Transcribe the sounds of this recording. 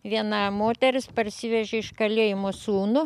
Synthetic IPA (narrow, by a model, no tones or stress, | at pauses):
ʋʲiɛnɐmoːt̪ʲɛɾʲɪspɐɾʲsʲɪʋʲɛʒʲeɪʃkɐlʲeːjɪmoːsuːnʊ